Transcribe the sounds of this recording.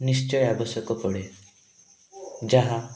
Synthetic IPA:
nist͡ʃɔjabɔsɔkɔpɔɽe | d͡ʒaɦa

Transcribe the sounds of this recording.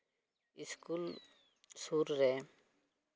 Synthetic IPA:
ɪskuːl | suːɾɾeː

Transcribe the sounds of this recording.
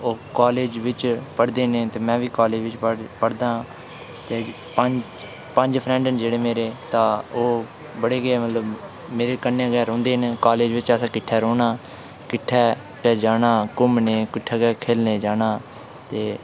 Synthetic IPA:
oːkaːleːd͡ʒʋɪt͡ʃpəɽd̪eːneːt̪eːmɛ̃ːʋiːkaːleːd͡ʒʋɪt͡ʃpəɽd̪ãː | t̪eː | pəɲd͡ʒ | pəɲd͡ʒpʰɾɛ̃ːɳɖənd͡ʒeːɽeːmeːɾeːt̪ãːoː | bəɽeːɡeːmət̪ləb | meːɾeːkənːeɡɛːɾõːnd̪eːnekaːleːd͡ʒʋɪt͡ʃəsãːkɪʈʰːɛːɾoːnaː | kɪʈʰːɛː | kɛːd͡ʒaːnaːkʊmneːkɪʈʰːɛːɡɛːkʰeːlneːd͡ʒaːnaː | t̪eː

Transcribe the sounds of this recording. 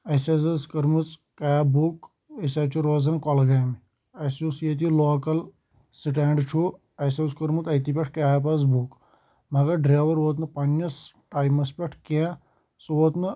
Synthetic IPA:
ɐsazɐskɐɾmɨt͡skajabuk | ɐsaːt͡ʃʰuɾoːzɐnkɔlɡajmi | ɐsusijet̪iloːkɐl | siʈaːɳɖt͡ʃʰu | ɐjsaskɐɾmut̪ɐjt̪ipʲeʈʰkaap̬ɐz̬buːk | maɡaɖɾaːʋɐɾʋoːt̪̬nɨpɐnːɐs | ʈaːjmɐspʲeʈʰkẽ | sʋoːt̪nɨ

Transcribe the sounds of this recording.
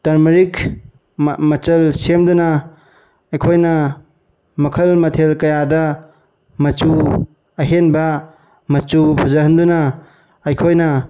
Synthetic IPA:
tɐɾmɐɾik | mɐt͡ʃɐlsemdunɐ | ɐjkʰojnɐ | mɐkʰɐlmɐtʰelkɐjadɐ | mɐt͡ʃu | ɐɦenbɐ | mɐt͡ʃubʰʱɐzɐɦɐnd̪unɐː | jkʰojnɐ

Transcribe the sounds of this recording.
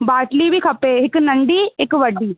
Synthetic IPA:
baːʈliːbʱiːkʰɐpeːɪknəɳɖiːɪkʋəɖːiː

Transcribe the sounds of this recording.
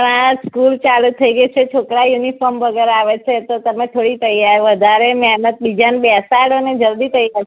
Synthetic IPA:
pəɳaskult͡ʃalut̪ʰːəiɡəjt͡ʃʰet͡ʃʰokɾajunifɔɾmʋəɡɛɾaʋet͡ʃʰet̪ot̪əmet̪ʰoɽit̪əjaɾʋəd̪ʱaɾemɛɦnət̪̚bid͡ʒanbɛsaɽoned͡ʒəɾd̪it̪ʰəiɡə

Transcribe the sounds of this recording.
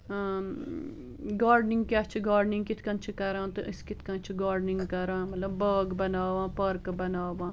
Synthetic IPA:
ɡaːɾɖnɪ̃ŋɡ̚kaːt͡ʃʰɡaːɾɖnɪ̃ŋɡkɪt̪ʰkãnt͡ʃʰkɐɾãːt̪ɨʔskɪt̪ʰkãːt͡ʃʰɡaːɾɖnɪŋɡkɐɾãːmɐt̪ləbːəːɡbɐnaːʋãːpəɾkbɐnaːʋãː

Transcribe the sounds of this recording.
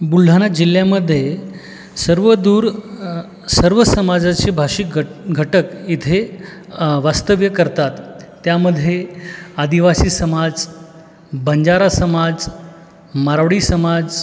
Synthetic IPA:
bul̤ːʱanad͡ʑiljaməd̪ʱːje | səɾʋəd̪uːɾ | səɾʋəsəmad͡zat͡ɕiːbʱaʂik̚ɡʱəʈəkit̪ʰe | ʋast̪əʋjəkəɾt̪at̪ː | jaməd̪ʱːjead̪iʋasiːsəmad͡z | bəɲd͡ʑaɾasəmad͡z | maɾʋɽiːsəmad͡z

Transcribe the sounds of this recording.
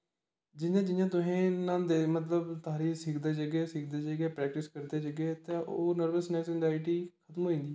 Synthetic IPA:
d͡ʒɪjãːd͡ʒɪjãːt̪̬ʊɦẽːnãːd̪eːmət̪ləbt̪aːɾiːsɪkʰd̪eːd͡ʒəɡeːsɪk̚ʰd̪eːd͡ʒəɡeːpɾɛːk̚ʈɪskəɾd̪eːd͡ʒəɡeːt̪ẽːʔoːnəɾbəsnɛːksɛnzaːɪʈiːkʰət̪mɦoːĩːnd̪iː

